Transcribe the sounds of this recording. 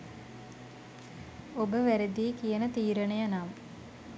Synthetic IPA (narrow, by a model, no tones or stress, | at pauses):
obəʋæɾed̪iːkijənət̪iːɾənejanamə